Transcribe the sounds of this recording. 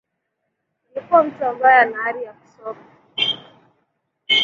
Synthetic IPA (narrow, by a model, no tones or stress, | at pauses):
likuam̩tuaɡajanaaɾijaku̥sɔka